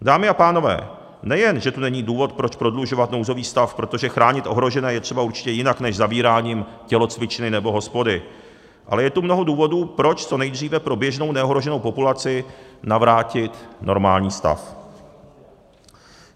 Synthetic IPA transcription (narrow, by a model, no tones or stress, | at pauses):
daːmɪapaːno̞vɛ̰ː | nɛjɛnʒɛt̪unɛɲiːduːvo̞t̪̚pɾo̞t͡ʃpɾo̞dluʒo̞vat̪nowzo̞viːst̪afpɾo̞t̪o̞ʒɛxɾaːɲɪt̪ʔo̞ɦɾo̞ʒɛnɛːjɛt̪r̝̥ɛbauɾt͡ʃɪ̥cɛjɪnaknɛʒzaviːɾaːɲiːm | cɛlo̞t͡svɪt͡ʃɪnɪnɛbo̞ɦo̞spo̞dɪ | ʔa̰lɛjɛt̪umno̞ɦo̞duːvo̞duːpɾo̞t͡ʃt͡so̞nɛjd̪r̝iːvɛpɾo̞bjɛʒno̞wnɛoɦɾo̞ʒɛno̞wpo̞pulat͡sɪnavɾaːcɪt̪nʔo̞̰ɾma̰ːlɲiːst̪a̰f